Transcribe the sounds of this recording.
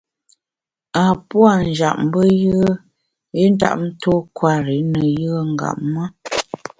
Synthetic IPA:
a˨pwa˦˨n̩˨d͡ʒa̰˨ʔm˦bə˦jə˦ə˦ | i˦n̩˦da̰˦˨ʔn̩˦to˦kwa˦ɾe˨˦nə˨jə˦ə˦ŋ˦ɡa̰˨ʔma˦

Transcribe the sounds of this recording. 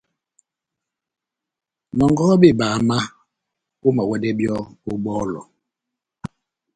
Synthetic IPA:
nɔ˨ŋɡɔ˦be˦˨baː˨ma˦ | u˦ma˨wɛ˦dɛ˦bjɔ˦o˦ɓɔː˦lɔ̰˨

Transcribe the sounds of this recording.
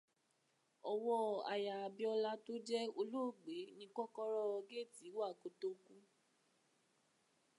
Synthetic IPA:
ɔ˧wɔ˦a˨ja˨a˨bi˦ɔ˧la˦to˦d͡ʒɛ˦o˧lu˦˨ɡ͡be˨˦nĩ˧˦kɔ˦kɔ˦ɾɔ˦ɔ˧ɡe˦˨ti˨˦wa˦˨ko˨to˦kũ˦

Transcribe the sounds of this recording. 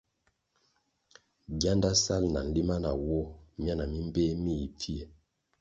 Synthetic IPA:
ɡja˦nda˦sa˦˨lna˨n̩˦li˦ma˦na˨wɔ˦m˦a˦na˨mi˦m˦be˦mi˦˨i˨p͡fi˦e˨

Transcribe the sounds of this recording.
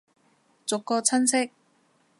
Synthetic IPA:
t͡sʊ˨kːɔː˧t͡sʰɐ˥nsɪ˥k̚

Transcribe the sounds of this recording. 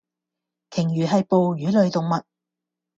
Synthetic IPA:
kʰɪ˨˩ŋɥyː˨˩ɦɐ˨jpo˨˧wjyː˨˥lɵ˨˧ɥt̪ʊ˨ŋmɐ˨t̚

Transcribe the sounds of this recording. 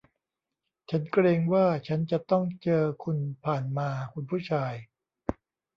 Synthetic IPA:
t͡ɕʰa˦˥nkɾeː˧ŋwaː˥˩t͡ɕʰa˦˥nt͡ɕa˨˩t̪ɔ˥˩ŋt͡ɕɤː˧kʰu˧npʰaː˨˩nmaː˧kʰu˧npʰuː˥˩t͡ɕʰaː˧j

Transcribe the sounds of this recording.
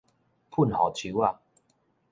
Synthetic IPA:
pʰu˥˨nhɔ̰˨˩t͡ɕʰi˧˦wa˥˧

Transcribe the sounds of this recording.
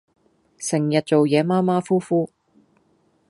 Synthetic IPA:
sɪ˨˩ŋjɐ˨t̚t͡ʃo˨wjɛː˨˧˥maː˥maː˥fuː˥fuː˥

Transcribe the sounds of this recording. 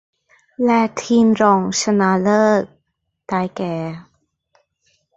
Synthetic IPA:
lɛ˧˩t̪ʰiː˧mɾɔː˧˩ŋsa˧naː˧˥lɤː˥˩k̚ | taː˧jkɛː˨˩˦

